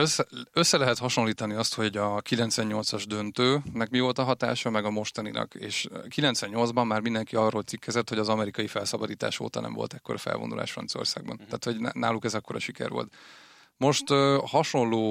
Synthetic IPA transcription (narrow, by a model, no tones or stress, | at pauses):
øsːøsːɛlɛɦɛt̪hɒʃo̞nlːiːt̪ɒniɒst̪ho̞ɟɒkilɛnt̪sʋɛɲːo̞lt̪sɒʒd̪ø̞nt̪øːnɛkmivo̞lt̪ɒɦɒt̪a̰ːʃɒmɛɡɒmo̞ʃt̪ɒninʔɒ̰kḛːʃkilɛnt̪sʋɛɲːo̞ld̪zbɒmːaːrmind̪ɛŋkiɒrːoːlt̪sikːɛzɛt̪ho̞ɟɒzɒmɛɾikɒjifɛlsɒbɒd̪iːt̪a̰ːʃo̰ːt̪ɒnɛ̰mvolt̪ɛkːoɾɒfɛ̰lvond̪ṵlʔa̰ːʃfrɒ̰nso̞̰rsaːɡ̚bɒ̰nt̪aːt̪ho̞ɟna̰ːlukɛzɒkːoɾɒʃikɛ̰rvo̰lt̪ | mo̞ʃt̪ːhɒʃo̞nloː